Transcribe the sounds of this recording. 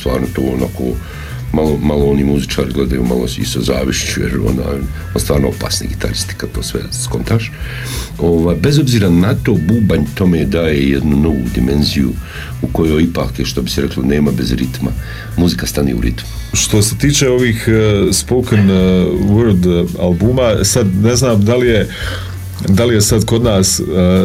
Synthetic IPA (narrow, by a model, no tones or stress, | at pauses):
st̪ʋa̰ːɾnot̪oːonako̰ː | malˠomalˠoo̞nimuzit͡ʃaːɾiɡle̞d̪ajṵːma̰lˠosḭsozaːʋiʃt͡ʃujḛɾo̰na̰ːj | onst̪ʋaːɾnoopa̰ːsnḛɡit̪ʰa̰ɾist̪i̥kad̪̚t̪oːsʋe̞̰skont̪aʃ | o̞ʋaːjbe̞zo̞bziːɾanat̪oːbuːbaɲt̪o̞meːd̪aːjejed̪nuno̞ʋud̪ime̞nzijṵ | uko̞joːjipaːkʃt̪obi̥siɾeklˠo̰ne̞ːmabe̞zɾit̪ma̰ | muzikast̪anḭːṵɾḭt̪mu | ʃt̪o̞se̞t̪iːt͡ʃeo̞ʋiːxspokənʋuɾd̪alˠbumasad̪ne̞znaːmd̪alije̞ | d̪alije̞sad̪ko̞d̪naːs